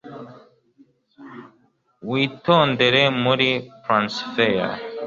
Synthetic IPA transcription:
wit̪ond̪eɾemuɾipɾãnsfeja̰

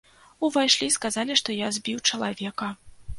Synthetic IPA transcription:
uvajʂlʲiskazalʲiʂt̪ɔjazʲbʲiwt͡ʂɐlˠavʲɛkɐ

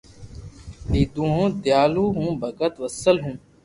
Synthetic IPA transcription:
iːd̪ũːɦõːd̪jaːluːɦũːbʱɐɡət̪ʋɐsəlɦũː

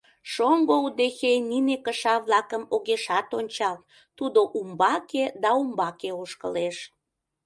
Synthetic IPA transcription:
ʃoŋɡoud̪exeninekəʃɑβlɑkəmoɣeʃɑt̪onʲt͡ɕɑl | t̪ud̪oʔumbɑked̪ɑumbɑkeoʃkə̰leʃ

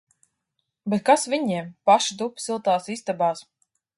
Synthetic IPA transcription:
bɛt̪̚kasvʲiɲiɛmpaʃid̪upsilˠt̪aːsist̪abaːs

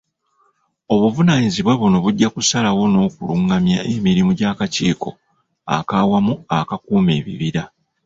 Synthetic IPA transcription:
o̞βuvunaːɲiziβweβuno̞βuɟːakusalawo̞no̞ːkuluŋɡamjaʔemiɾimuɟaːkaciːko̞ | a̰kawamuakakuːme̞ːβḭβiɾa

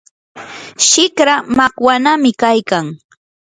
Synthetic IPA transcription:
ʃɪkɾamakwanamɪkajkaŋ

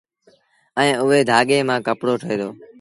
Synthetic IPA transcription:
əĩːʊɦeːd̪ʱaːɠeːmãːkəpɽoːʈʰəeːd̪oː

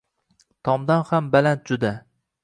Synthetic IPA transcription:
t̪ʰɒmd̪anhambalant̪̚d͡ʒʊd̪a

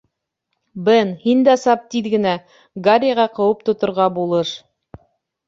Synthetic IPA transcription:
bɘnhind̪æsɑp̚t̪iðɡɘ̆næ | ɡaɾʲjaʁɑqɤ̆wɤpt̪ŏt̪ŏɾʁɑbulˠɤʃ

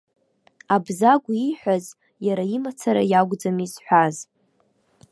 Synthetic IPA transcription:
abzaɡʷiħʷᶣaz | jaɾaimat͡sʰaɾa̰jaɡʷd͡zamizħʷaz

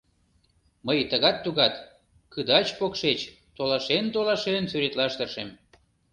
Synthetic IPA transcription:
məjt̪əɣɑt̪ːuɣɑt̪ | kɯd̪ɑt͡ɕpokʃet͡ɕ | t̪olɑʃent̪olɑʃensyɾet̪lɑʃt̪ərʃem

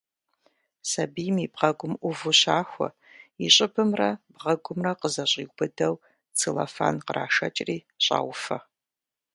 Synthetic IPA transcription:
sɐbijmiːbʁɐɡʷʊmʔʷʊvuɕaːxʷɔ̰ | iɕʼɪbɨmrɐbʁɐɡʷʊmrɐqəzɐɕʼiːɡʷbɨdɐw | t͡sʰɨlɐ̰fa̰ːnqərʔaːʃɐ̰t͡ʃʼriː | ɕʼa̰ːwʷfɐ

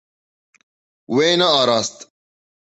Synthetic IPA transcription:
wenɐaɾast̪

